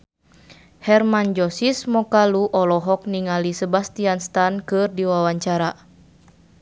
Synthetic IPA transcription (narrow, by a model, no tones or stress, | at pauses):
hɛrmand͡ʒɔsismɔkaluʔɔlɔɦɔk̚niŋalisəbast̪ianst̪ankɨrdiwawaɲt͡ʃaɾa